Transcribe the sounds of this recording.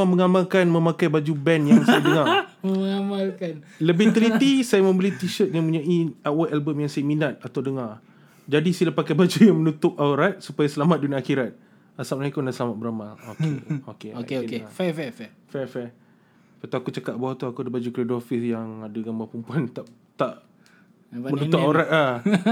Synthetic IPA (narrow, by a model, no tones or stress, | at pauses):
aməŋamalkanmə̃makajbad͡ʒubɛnjaŋsajadəŋaməŋamalkanləbɪht̪əlit̪isajamə̃mbəlit̪iʃət̪̚mãpuɲaʔiawat̪ɛlbəmjaŋsajaminat̪̚at̪awdəŋar | d͡ʒadisilapakajbad͡ʒujaŋmənut̪ʊp̚ɔlɾat̪̚supajasəlamat̪̚dunaaxiɾat̪̚ | asap̚naikunaʔsəlamat̪̚bəɾamalokeokeokeafɛfɛfɛ | fɛfɛ | pat̪uakut͡ʃakat̪̚baɦat̪uakuadabad͡ʒukledɔfɪsjaŋadaɡambarpumpuant̪aʔ | t̪aʔ | mənuupaoɾat̪̚a